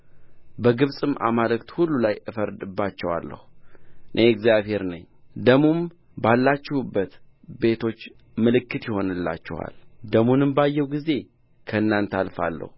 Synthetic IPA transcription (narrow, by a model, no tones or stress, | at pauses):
bəɡɨβsʼɨmʔa̰malɨkt̪hulːulajʔɨfəɾd̪ɨbːat͡ʃːɛwa̰lːə̰huɨnʔeɛɡzjaβhe̞ɾnɨɲːd̪əmum | balːat͡ʃːɛhubːət̪ | be̞t̪ʰo̞t͡ʃː | mɨlɨkːɨt̪jɛho̞nɨlːa̰t͡ʃːɛ̰wa̰ld̪əmunɨmbajːɛwɡize̞ | kʰəɨnːant̪ʰalfa̰lːə̰hu